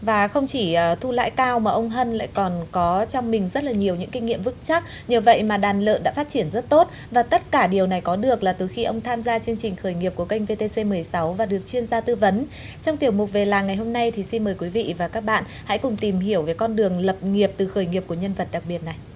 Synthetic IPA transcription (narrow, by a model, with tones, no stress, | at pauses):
vaː˨˩xə˧wŋ͡mt͡ɕi˧˩əː˨˩t̪ʰu˧la̰ː˧˥jkaː˧wmaː˨˩ʔə˧wŋ͡mɦə˧nla̰ː˧˨jkɔ˨˩nkɔ˨˦t͡ɕɔ˧wŋ͡mmï˨˩ŋ̟zə˦˥t̚laː˨˩ɲi˨˩əwɲɨ̰˧˥ŋki˧ŋ̟ːḭ˧əmvɨ˦˥k̚t͡ɕa˦˥k̚ | ɲəː˨˧və̰˧˨jmaː˨˩ɗaː˨˩nlə̰ː˧˨nɗa̰ː˧˥faː˦˥t̚t͡ɕi˧˩ənzə˦˥t̚t̪o˦˥t̚ | vaː˨˩t̪ə˦˥t̚kaː˧˩ɗi˨˩əwna˨˩jkɔ˨˦ɗɨ˨˩ək̚laː˨˩t̪ɨ˨˩xi˧ʔə˧wŋ͡mt̪ʰaː˧mzaː˧t͡ɕɨ˧əŋt͡ɕï˨˩ŋ̟xəː˧˩jŋi˨˩əp̚ku˧˩əka˧jŋ̟ve˧t̪e˧se˧mɨ˨˩əjsa˨˦wvaː˨˩ɗɨ˨˩ək̚t͡ɕwi˧ənzaː˧t̪ɨ˧və˨˦n | t͡ɕɔ˧wŋ͡mt̪i˨˩əwmʊ˨˩t̚ve˨˩laː˨˩ŋːa˨˩jho˧mna˧jt̪ʰi˨˩si˧nməː˨˩jkwi˨˦vḭ˧˨vaː˨˩kaː˦˥k̚ɓa̰ː˧˨nha̰˧˥jkʊ˨˩ŋ͡mt̪i˨˩mɦi˧˩əwve˨˦jkɔ˧nɗɨ˨˩əŋlə˨˩p̚ŋi˨˩əp̚t̪ɨ˨˩xəː˧˩jŋi˨˩əp̚ku˧˩əɲə˧nvə˨˩t̚ɗa˨˩k̚ɓi˨˩ət̚na˨˩j